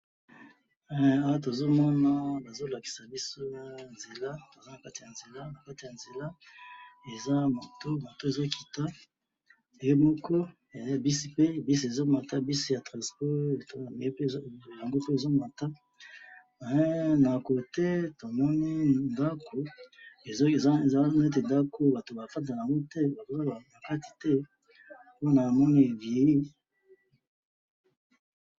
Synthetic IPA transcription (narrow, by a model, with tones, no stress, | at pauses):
ɛ˨a˦wa˦t̬o˨zo˦mɔ˦na˦ba˨zo˦la˨ki̥˨sa˨bi˦so˦ja˨nze˨la˦to˨za˦na˨ka˦ti˨ja˨nze˨la˦na˨ka˦ti˨a˨nze˨la˦ | e˨za˦ma˨to˦mo˨to˦e˨zo˦ki˨ta˦ | e˨je˦mɔ˦kɔ˦ | e˨zbi˦si˦pe˦bi˦s̬e˨zo˦ma˨ta˦bi˦si˦ja˨tʁã˨spɔ˦e˨to˦a˨mi˨e˦pja˨ŋɡo˦pe˦e˨zo˦ma˨ta˦ | a˨˦na˨ko˨tɛ˦to˨mɔ˦ni˦nda˦ko˨e˨˦˨a˦n˦e˦t̬e˨nda˦ko˦ba˨to˨ba˨fa˦t̬a˨ja˨ŋɡo˦tɛ˦ba˨˦˨na˨ka˦ti̥˨tɛ˦ | po˦na˨mɔ˦ni˦e˨vi˨ji˦